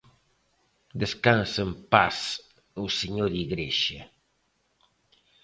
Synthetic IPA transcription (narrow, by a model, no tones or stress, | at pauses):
d̪eskansempas | useɲoɾiɣɾeʃe